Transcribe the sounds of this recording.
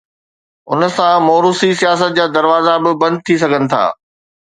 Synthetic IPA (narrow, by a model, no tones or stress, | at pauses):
ʊ̰nə̆sãmoːɾusisijaːs̬ət̪̚d͡ʑaːd̪ɐɾʋaːzabɪbɐ̃nd̪̚t̪ʰis̬ɐɡʱənɪ̆t̪ʰa̰ː